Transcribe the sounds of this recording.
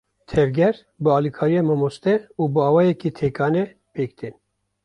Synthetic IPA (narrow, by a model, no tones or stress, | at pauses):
t̪ʰɛvɡʲɛɾ | bɨɑːlikʰɑːɾijɑːmamost̪ɛuːbɨɑːwɑːjɛkit̪ʰeːkɑːnɛ | peːkt̪ʰin